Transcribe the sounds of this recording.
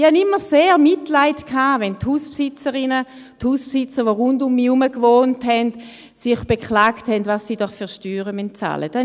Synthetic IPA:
ihanɪmːəseːʁmɪtlaɪtkʰaːvɛnthuːspsɪt͡səʁɪnə | thuːspsɪt͡səʁʋoʁʊndʊmːiːuməkvoːntɦɛnd | sɪχb̥ekχlaːkthɛndvasːiːd̥ɔχfyʁʃtyːʁəmyn̚t͡sa̰ləd̥ɛ

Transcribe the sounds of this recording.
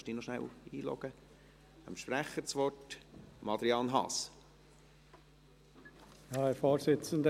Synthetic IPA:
ʃd̥iːnɔʃnæ̰wiːlɔ̰ɡ̥ə | ə̰mʃpɾæχːət͡sʋɔtmɑd̪ɾiɑnɦɑ̰ːs | jɑhɛɾfoːɾsɪt͡sən̩d̪ə

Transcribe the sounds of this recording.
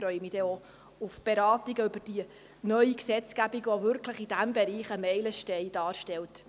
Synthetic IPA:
fɾœʏəmid̥ɛo | ʊfb̥eɾɑːtiɡəʏbəd̥iə | nœʏiksɛt͡sɡ̥æbiɡʋɔvʏɾkləχid̥æmbɛɾiːχəmɛɪləʃtɛɪd̥ɑːɾʃtɛlt

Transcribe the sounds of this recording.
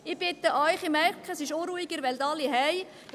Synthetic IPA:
ɪb̥ɪt̪ːəʔɔʏχɪmɛɾkχəsɪʃoɾuːiɡəɾʋɛlt̪ɑliɦɛj

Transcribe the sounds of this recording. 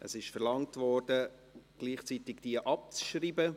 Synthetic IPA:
ʔəsɪʃfɛɾlɑŋtvɔrdə | ɡ̥liːχt͡sitɪɡd̥iəʔɑp̚t͡sʃriːbə

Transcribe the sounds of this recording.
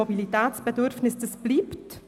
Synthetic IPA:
obilitɛːt͡sb̥ɛdʏɾfnɪsd̥əsb̥liːpt

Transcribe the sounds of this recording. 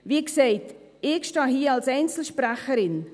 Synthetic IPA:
viːkseɪt | ɪkʃtɑːɦiːɑlsɛɪnt͡sl̩ʃpɾɛχəɾɪn

